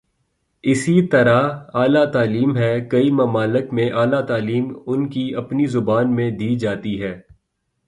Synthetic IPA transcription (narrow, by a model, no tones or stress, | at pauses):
ɪsit̪ɐɾaaːlat̪aːliːmɦɛːkɐimɐmaːlɪkmẽʔaːlat̪aːliːmʊnkiɐpnizʊbaːnmẽd̪iːd͡ʒaːt̪iɦɛː